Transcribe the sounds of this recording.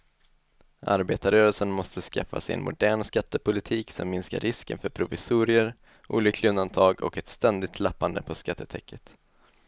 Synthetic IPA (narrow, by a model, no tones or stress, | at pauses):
ʔa̰ɾbeːt̪aɾœːɾəlsəɳmɔst̪əska̰fːa̰sɛɪjɛ̰nmʊd̪æːɳskat̪ːəpʰʊlɪt̪ʰiːksɔ̰mːɪnska̰ɾːɪskə̰nfœɾpʰɾʊvɪsuːɾɪəɾ | ʔṵːlʏkʰlɪɵnd̪ant̪ʰɑːɡɔ̰kɛt̪st̪ɛnd̪ɪɡ̚t̪ʰlapːand̪əpʰɔskat̪ʰːət̪ʰɛkʰːət̪